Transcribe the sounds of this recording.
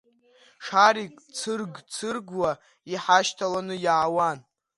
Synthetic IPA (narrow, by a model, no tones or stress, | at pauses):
ʂaɾikʼt͡sʰɨrɡt͡sʰɨrɡwa | iħaʃtʰalanɨjaːwan